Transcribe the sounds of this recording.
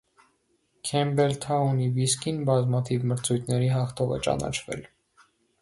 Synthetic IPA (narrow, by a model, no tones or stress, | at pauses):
kʰɛmbɛlt̪ʰɑuniviskinbɑzmɑt̪ʰivməɾt͡sʰujt̪ʰnɛɾiɦɑχt̪ʰɔʁɛ̰t͡ʃɑ̰nɑ̰t͡ʃʰvɛ̰l